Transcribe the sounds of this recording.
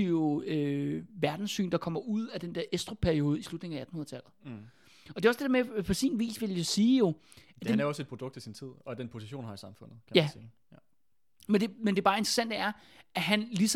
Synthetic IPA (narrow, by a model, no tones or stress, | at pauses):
iøʋæɐd̥n̩sːy̰ːnd̥ɑ̈kʰɒ̽m̰ɐʔuð̞̰ˠæd̥end̥eɐʔesd̥ʁo̝pʰæɐio̝ːð̞ˠislud̥ne̝ŋ̩ææd̥nhunɐðˠt͡sʰæl̰ð̩ˠ | ɒd̥e̝ɒsd̥edeɐmepʰɒ̽sḭnʋḭːsʋe̝ljasiːjo̝ | d̥eæɒse̝̥pʰʁod̥ɔ̽ɡ̥̚ʰisint͡sʰið̞̰ˠɒ̽d̥enpʰo̝siɕo̝̰ːnhɑ̈isɑ̈mfɔ̽n̰ð̩ˠkʰæmjæsiː | mend̥e̝mend̥e̝b̥ɑ̈ːe̝nd̥ʁɐsæn̰d̥əæɐ | æɦænlis